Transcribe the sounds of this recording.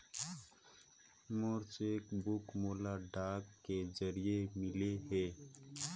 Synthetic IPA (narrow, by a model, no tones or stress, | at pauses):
moɾt͡ʃeːkbʊkmoːlaɖaːkːed͡ʒəɾijemɪleɦɛː